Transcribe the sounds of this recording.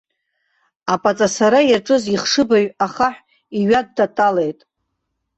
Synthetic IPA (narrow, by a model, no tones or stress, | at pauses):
apʼat͡sʼasaɾajaʈ͡ʂʼɨziχʂɨbaɥaχaħʷᶣ | iɥadːatʼale̞jtʼ